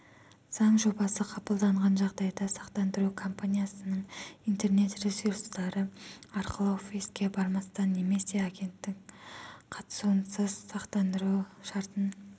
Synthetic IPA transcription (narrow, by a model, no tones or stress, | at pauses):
z̥ɑɴʒo̞bɑsəqʰɑpəlˠd̪ɑɴʁɑnʒɑʁd̪ɑjd̪ɑsɑqt̪ɑnd̪əɾukʰo̞mpʰanʲijasənəɴijnt̪e̞rne̞t̪resuɾst̪ɑɾəɑɾqʰəlˠəofiskʲe̞bɑɾmɑst̪ɑnːe̞me̞se̞aɡʲe̞nt̪ːɪkqʰɑt̪ə̥suwənsəz̥sɑqt̪ɑnd̪əɾuʃɑɾt̪ən